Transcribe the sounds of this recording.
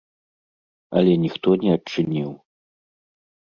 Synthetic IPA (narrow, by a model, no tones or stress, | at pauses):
ɐ̰lʲɛnʲixt̪ɔnʲɛɐt͡ʂɨnʲiw